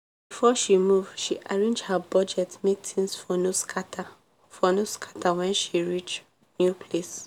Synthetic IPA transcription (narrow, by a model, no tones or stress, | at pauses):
bifɔʃimuvʃiʔaɹẽnd͡ʒhabɔd͡ʒɛtmek̚tʰĩnsfɔnuskʰata | fɔnoskʰḁtʰawɛ̃nʃiɹit͡ʃ | njupʰles